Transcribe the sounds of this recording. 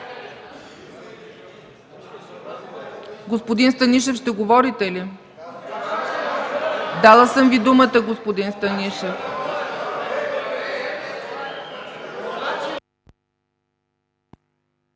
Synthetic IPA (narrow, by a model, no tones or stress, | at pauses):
ɡospod̪inst̪əniʃ̬ɛfʃt̪ɛɡovɔɾit̪ɛli | d̪alˠəsəmvid̪umət̪əɡospod̪inst̪əniʃɛf